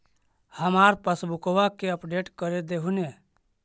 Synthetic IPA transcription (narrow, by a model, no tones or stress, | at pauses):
həmaɾpəsbukoʋakeəpɖeʈkəɾed̪eɦune